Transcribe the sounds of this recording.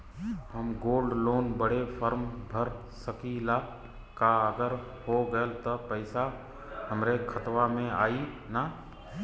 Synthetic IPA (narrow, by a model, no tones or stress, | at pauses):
ɦəmɡoːlɖloːnbəɽ̤efəɾmbʱəɾ | səkila | kaəɡəɾ | hoɡəelt̪əpəɪsa | ɦəmɾekʰət̪ʋamẽaːi | na